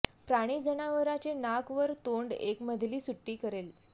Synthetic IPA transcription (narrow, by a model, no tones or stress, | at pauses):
pɾaɽ̃id͡zənaʋəɾat͡ɕenakʋəɾt̪oɳɖekməd̪ʱliːsuʈːiːkəɾel